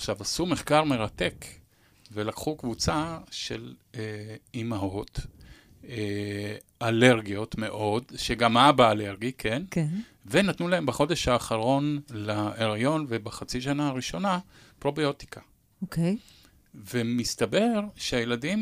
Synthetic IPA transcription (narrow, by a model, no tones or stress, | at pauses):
aχʃavasumeχkaʁme̞ʁate̞k | velakχukvut͡saʃeleimaɦot | e | ale̞ʁɡijo̞tme̞ʔo̞dʃeɡamabaːle̞ʁɡikʰenk | venatnulae̞mbeχo̞d̪eʃhaːχaʁo̞nlaeʁajo̞nvebaχat͡siʃ̬anaaʁiʃo̞napʁo̞bio̞t̪i̥kʰa | okej | vemist̪abe̞ʁʃeaje̞ladim